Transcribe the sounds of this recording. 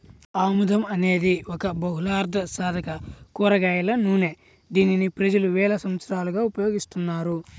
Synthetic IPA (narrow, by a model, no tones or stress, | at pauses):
aːmud̪ʱɐmɐne̞ːd̪iɔkɐbɐɦulaːɾd̪ʱɐsaːd̪ʱɐkɐkuːɾɐɡaːjɐlɐnuːne | d̪iːninipɾɐd͡ʒɐluʋɛːlɐsɐmɐt̪sɐɾaːluɡaːupɐjo̞ːɡist̪unːaːɾu